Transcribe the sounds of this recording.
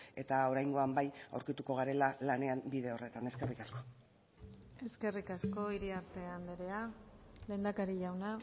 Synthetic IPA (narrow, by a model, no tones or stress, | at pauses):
e̞t̪ao̞ɾajŋɡo̞ambaja̰wɾkit̪uko̞ɣaɾe̞lalane̞ambiðe̞o̞re̞t̪ane̞ske̞rikasko̞ | e̞ske̞rikasko̞iɾiaɾt̪e̞and̪eɾe̞ale̞nd̪akaɾiʝawna